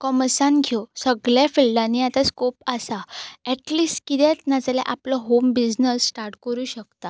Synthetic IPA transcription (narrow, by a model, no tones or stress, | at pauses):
kɔməsanɡʱjosəɡɭjafilɖanijat̪askopasaɛʈlisʈkit̪ɛt̪nat͡slɛ̰ʔapləɦombid͡znəsːʈaɾʈkəɾuːɕəkt̪a